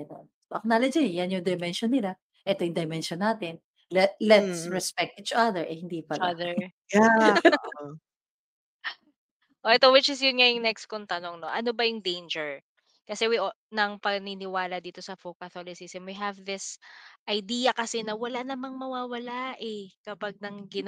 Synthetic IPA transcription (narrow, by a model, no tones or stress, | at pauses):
ɐno̰ | soʔɐknalɐd͡ʒijanjʊŋd̪ɐmɛnʃɔnːɪla | ʔɛt̪ojʊŋd̪ɐmɛnʃɔnːaːt̪ɪn | lɛt̪lɛt̪sɹɛspɛk̚t̪̚ʔit͡ʃʔaðɛɹʔɛhɪnd̪iːpɐlðɛɹja | ʔoʔɛt̪o̞wɪt͡ʃɪsjʊnŋɐjʊŋnɛks̚kont̪ɐno̞ŋnoʔɐno̞bɐjʊŋd̪ejnd͡ʒɛɹ | kɐsɛwiʔnɐŋpɐɡninɪwaːlɐd̪iːt̪o̞sɐfokɐθolɪsɪsɛmwiɦɐvðɪsʔɐjd̪iːjɐkɐsɛnɐwɐlanɐmɐŋmɐwaːwɐlaʔɛkɐpaɡ̚nɐŋɡɪn